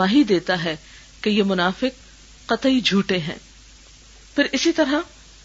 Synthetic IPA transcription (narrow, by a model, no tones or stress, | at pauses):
aːɦid̪eːt̪aɦɛ | kejemʊnaːfɪqː | ɐt̪id͡ʒʱuːʈeɦɛ̰̃ː | fɪɾɪsit̪ɐɾa